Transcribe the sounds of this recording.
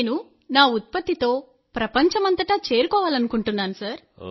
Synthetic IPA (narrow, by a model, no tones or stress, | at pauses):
nu | naːut̪̚pɐt̪ːit̪o̞ː | pɾɐpɐɲt͡ʃɐmɐnt̪ɐʈɐːt͡ʃeːɾukɔːʋaːlɐnukuɳʈunːaːnusaːɾ